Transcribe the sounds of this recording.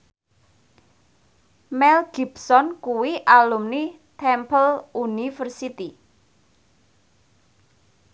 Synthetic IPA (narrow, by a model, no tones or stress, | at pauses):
mɛlɡ̥ibsɔnkuwiʔalumnit̪ʰɛmpəlunifərsit̪i